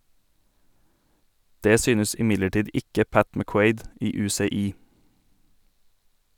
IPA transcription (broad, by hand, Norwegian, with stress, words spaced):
ˈdeː ˈsyːnəs ɪˈmɪdləˌʈiːd ˈɪkə ˈpæt mæˈkweɪd ˈiː ˌʉːseːˈiː